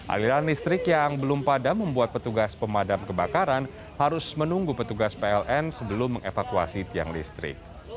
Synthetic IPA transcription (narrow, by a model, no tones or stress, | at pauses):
ʔa̰liɾanlist̪ɾɪkjaŋbəlʊmpadaməmbuat̪̚pət̪uɡaspəmadamkəbakaɾan | haɾʊsmənuŋɡupət̪uɡaspeɛlʔɛnsəbəlʊmːəŋefakua̰sit̪ia̰ŋlḭst̪ɾɪ̰k̚